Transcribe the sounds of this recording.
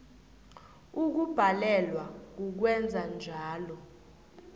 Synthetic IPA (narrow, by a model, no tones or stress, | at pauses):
uk̬ub̥ʱalɛlwak̬uk̬wɛnd͡zʱand͡ʒʱaːlɔ